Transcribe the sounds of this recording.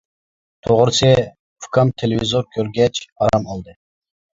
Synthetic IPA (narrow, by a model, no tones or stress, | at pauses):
t̪ʰoʁɾsɨ | fkʰɑmt̪ʰelevizoɾkʲʰøɾɡʲɛt͡ʃʰɑɾɑmɑlˠd̪ɨ